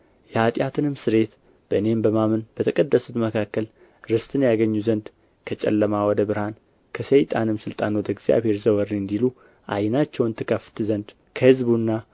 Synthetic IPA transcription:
jɛhat̪ʼjat̪ʰɨnɨmsɨɾe̞t̪ | b̥əʔɨne̞mbəmamɨnb̥ət̪ʰəkʼəd̪ːəsut̪məkʰakːəl | ɾɨst̪ʰʼɨnjaɡəɲːuzənd̪ | kʰət͡ʃʼɛ̰lːəmawɔd̪əbɨɾhan | kʰəsəjt̪ʼanɨmsɨlt̪ʼanwɔd̪əɡz̥ija̰βhe̞ɾzəwəɾiɨnd̪ilu | ʔa̰jnat͡ʃːɛwnt̪ʰɨkʰəft̪ɨzənd̪ | kʰəhɨzbunːa

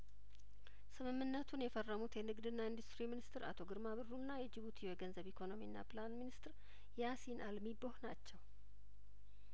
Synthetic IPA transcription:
sɨmɨmːɨnːət̪ʰunjɛfərːəmut̪jɛnɨɡd̪ɨnːaind̪ust̪ɾiminist̪ɨɾa̰t̪ʰo̞ɡɨɾmaβɨrːunːajɛd͡ʒɪβut̪ʰiɛɡənzəβikʰo̞no̞minːa̰pɨlanminist̪ɾ | jasinʔalmibohnat͡ʃːɛw

